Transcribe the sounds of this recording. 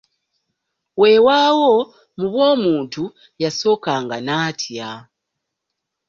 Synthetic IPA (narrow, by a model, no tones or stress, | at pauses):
we̞waːwo | muβwo̞ːmuːntu | jaso̞ːkaːŋɡanaːtʰja